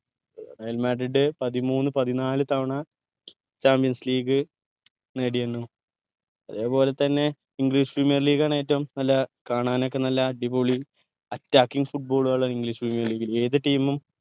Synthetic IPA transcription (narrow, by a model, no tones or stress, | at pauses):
d̪aːjilmaːɖiɖɨpɐðimuːnːɨpɐðinaːlɨt̪ɐʋɐɳɐ | t͡ɕaːmpijɐnsliːɡɨ | neːɽijenːu | ɐðe̞ːpo̞ːle̞t̪ɐnːe̞ | iŋɡɾiːʂprimijɐrliːɡaːɳajetːɐumnɐlːɐkaːɳaːnokːe̞nɐlːɐɖipoːɭi | ɐtːaːkːiŋɡɨfuʈ̚bo̞ːɭuɐɭːɐiŋɡliʂprimijɐrliːɡile̞ːðɨʈiːmum